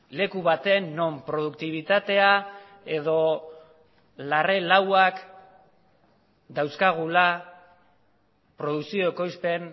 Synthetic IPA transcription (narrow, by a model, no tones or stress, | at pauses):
le̞kuβat̪e̞nːo̞mpɾo̞ð̞ukt̪iβ̞it̪at̪e̞a | e̞ð̞o̞ | lare̞lawak | d̪awskaɣ̞ula | pɾo̞ð̞uksio̞eko̞jspe̞n